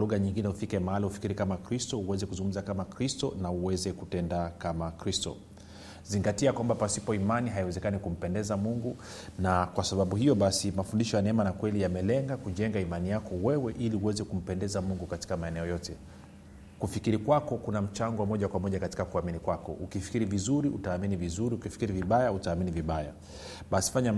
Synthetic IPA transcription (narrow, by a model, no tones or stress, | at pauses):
luɣaɲiŋɡinɛhufikɛmaalahufi̥kiɾikamakɾistɔuwɛzɛkuzuŋɡum̩zakamakɾistɔnauwɛzɛkutɛndakamakɾistɔ̰ | ziŋɡatiakwambapasipɔimaniɦajiwɛzɛkanikum̩pɛndɛzamuŋɡu | nakwasaɓaɓuhijɔɓasimafundiʃɔjanɛɛmanakwɛlijamɛlɛŋɡakuʄɛŋɡaimanijakɔwɛwɛʔiliuwɛzɛkum̩pɛndɛzamuŋɡukati̥kamaɛnɛɔjɔtɛ | kufikiɾikwakɔkunam̩t͡ʃaŋɡɔwmɔʄakwamɔʄakati̥kakuaminikwakɔ̰ʔukifi̥kiɾivizuɾiʔṵtaːminivizuɾiukifi̥kiɾiviɓajautaːminiviɓaja̰ | ɓasi̥faɲa